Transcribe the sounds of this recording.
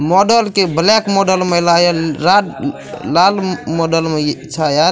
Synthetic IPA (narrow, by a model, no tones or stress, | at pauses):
mɔɖəlkeblekmɔɖəlmelajaɾa | lalmɔɖəlmet͡ʃʰajaɾ